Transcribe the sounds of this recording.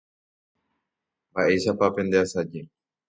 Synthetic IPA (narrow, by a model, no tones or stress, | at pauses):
baʔe̞ʃapapẽ̞nd̪easad͡ʒe